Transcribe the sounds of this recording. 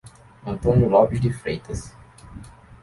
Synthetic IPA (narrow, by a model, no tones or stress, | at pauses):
ɐ̃nt̪õnjulɔʔid̪ifɾejt̪ɐs